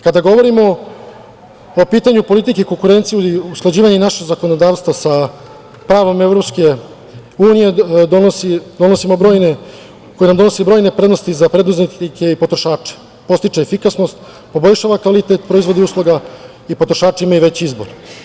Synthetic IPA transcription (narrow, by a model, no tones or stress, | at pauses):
kad̪aɡo̞ʋo̞ɾimo̞ | piːt̪aɲupo̞lit̪ikeikoŋkuɾe̞nt̪sijuiusklˠad͡ʑiːʋaɲenaʃeɡzakonod̪aːʋst̪vʋasa | pɾaːʋo̞mevɾo̞pske̞ | uːnijed̪onosid̪o̞no̞simo̞bɾo̞ːjne̞ | ko̞jenamd̪o̞no̞sebɾo̞jne̞pɾe̞d̪no̞st̪izapɾe̞d̪uzniike̞ipo̞t̪ɾoʃaːt͡ʃe̥ | po̞st̪it͡ʃeefikasno̞st̪ | po̞bo̞ʎʲʃaːʋakʋalit̪et̪pɾo̞izʋo̞d̪iuːslˠoɡa | ipo̞t̪ɾoʃaːt͡ʃeimaiʋe̞t͡ɕizbo̞̰ɾ